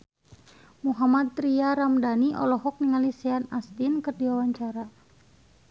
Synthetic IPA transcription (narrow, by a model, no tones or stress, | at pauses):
muɦamad̪̚t̪ɾiaɾamdaniʔɔ̰lɔɦɔk̚niŋalisɛanast̪inkɨrdiwawaɲt͡ʃaɾa